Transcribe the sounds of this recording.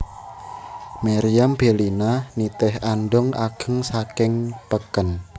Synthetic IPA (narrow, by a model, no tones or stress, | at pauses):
maɾiamb̥e̤linanit̪ɪɦanɖɔŋʔa̰ɡ̥ə̤ŋsakɪŋpəkən